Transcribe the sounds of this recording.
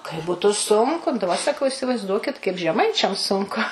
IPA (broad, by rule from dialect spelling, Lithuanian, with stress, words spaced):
kɐɪ ˈbʊtʊ ˈsʊŋkʊ dɐˈbɐ sɐˈkɐʊ ɪsʲɪʋɐɪzˈduɔkʲɪt kɐɪp ʒʲɛˈmɐɪt͡ʃʲɛm ˈsʊŋkʊ